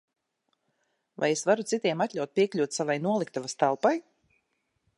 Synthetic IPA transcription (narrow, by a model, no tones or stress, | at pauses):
va̰jesvaɾut̪sit̪iɛmat̪ʲʎʲawt̪̚pʲiɛkʎʲuːt̪savajnuɔlˠik̚t̪avast̪alˠpaj